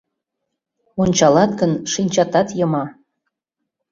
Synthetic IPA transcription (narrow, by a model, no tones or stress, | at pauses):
onʲt͡ɕɑlɑt̪ɡənʃinʲt͡ɕɑt̪ɑt̪jɤmɑ